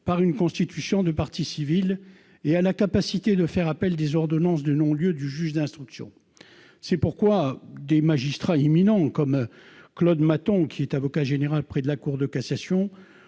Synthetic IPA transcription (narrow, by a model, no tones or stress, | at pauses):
paʁynkɔ̃st̪it̪ysjɔ̃d̪əpaʁt̪isivil | ealakapasit̪ed̪əfɛʁapɛld̪ezɔʁd̪ɔnɑ̃sd̪ənɔ̃ljød̪yʒyʒd̪ɛ̃st̪χyksjɔ̰̃ | sɛpuʁkwad̪emaʒist̪χaiminɑ̃kɔmklɔd̪mat̪ɔ̃kʲiɛt̪avɔkaʒeneʁalpχɛd̪əlakuʁd̪əkasasjɔ̃